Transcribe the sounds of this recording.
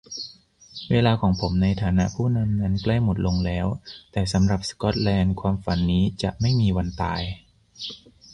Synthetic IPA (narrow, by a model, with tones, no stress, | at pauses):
weː˧laː˧kʰɔː˩˦ŋpʰo˩˦mna˧jt̪ʰaː˩˦na˦˥ʔpʰuː˥˩na˧mna˦˥nkla˥˩jmo˨˩t̪̚lo˧ŋlɛː˦˥wt̪ɛː˨˩sa˩˦mɾa˨˩p̚skɔ˦˥t̪̚lɛː˧nkʰwaː˧mfa˩˦nːiː˦˥t͡ɕa˨˩ʔma˥˩jmiː˧wa˧nt̪a̰ː˧j